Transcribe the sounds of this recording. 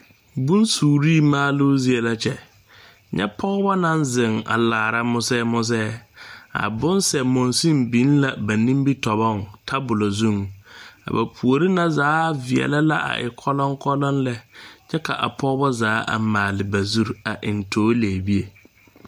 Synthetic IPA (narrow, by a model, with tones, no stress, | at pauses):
bũ˦nsuː˨ɾiː˦˨maː˦lʊ˦zi˦e˨la˨t͡ʃɛ˨ | ɲɛ̰˦pʰɔ˦bɔ˦nã˦nzɪ˨ŋa̰˨laː˨ɾa˦mʊ˦sɛ˦mʊ˦s̬ɛː˦a̰˨bʊ̃˦nsɛ˨mʊ̃˨nsĩ˦mbĩ˨˦n˦la˨ba˨nĩ˦mbi˦tɔ˨bɔ˦˨ŋtʰa˦bʊ˨lo˨zũ˦˨ŋa̰˨ba˨pʰu˨o˨ɾi˦na˨zaː˨˦˨vɪ˨ɛ̰˨la˦la̰˦ʔa̰˨ʔɪ̰˨kʰɔ˦lɔ˦ŋkʰɔ˦lɔ˦nlɛ˦t͡ʃɛ˦kʰa̰˨ʔa̰˨pʰɔ˦bɔ˦zaː˨˦ʔa̰˨maː˨lɪ˨ba˨zu˦ɾa˨ʔɪ˨ntʰoː˨˦leː˨bi˦e˨